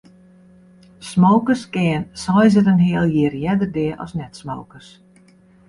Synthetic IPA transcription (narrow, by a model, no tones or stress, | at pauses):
smowkəskɪːnsɔjzəɾənɦɪəlˠjɪːrjɛdərdɪəɔ̰snɛtsmowkərs